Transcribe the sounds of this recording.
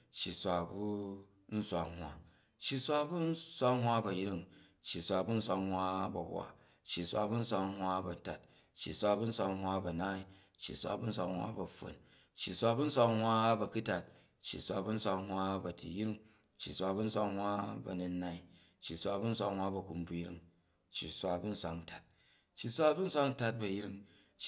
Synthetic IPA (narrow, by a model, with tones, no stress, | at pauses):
t͡ʃːi˨sʷa˧bu˦ | n̩˦sʷa˧hʷwa˦ | t͡ʃːi˧sʷa˦bu˦n̩˦sʷa˦hʷwa˦bɐ˨ji˦ɾi˦˨ŋ | t͡ʃːi˨sʷa˨bu˦n̩˦sʷa˧hwa˦bɐ˨wwa̰˨ | t͡ʃːi˨sʷa̰˧bu˦n̩˦sʷa˧hwa˦bɐ˨ta˨t̚ | t͡ʃːi˨sʷa˧bu˦n̩˦sʷa˧hʷwʷa˦bɐ˨na˦i˨t͡ʃːḭ˨sʷa̰˨bu˦n̩˦sʷa˧hwa̰˦bɐ˨ɸo̰˨n | t͡ʃːi˨sʷa˧bu˦n̩˦sʷa˧ŋhwa˦bɐ˨ku˦ta˨t̚ | t͡ʃːḭ˨sʷa˧bu˦n̩˦sʷa˧ŋhwa˦bɐ˨tḭ˨jɾi˦ŋt͡ʃːi˨sʷa˧bu˦n̩˦sʷa˧ŋhwa˦bɐ̰˨nu˧nːa˦i˦ | t͡ʃːi˨sʷa˧bu˦n̩˦sʷa˧ŋwʷa˦bɐ˨ku˨mb͡vu˦˧jɾḭ˦ŋ | t͡ʃːi˨sʷa˧bu˦n̩˦sʷa˧ŋn˨ta˨t̚ | t͡ʃːi˨sʷa˦bu˦n̩˦sʷa˧ŋ̩˦ta˧t̚bɐ˨jɾi˦ŋ | t͡ʃ